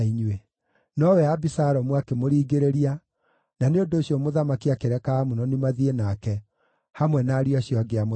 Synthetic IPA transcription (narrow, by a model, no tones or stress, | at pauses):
iɲwe | nɔwɛabisaɾɔmwakemoɾiːɡeɾeɾia | naneondoːɕiɔmoðamakiakeɾɛkaːmunɔnimaðienakɛ | hamwɛnaːɾiaɕijɔaɡeam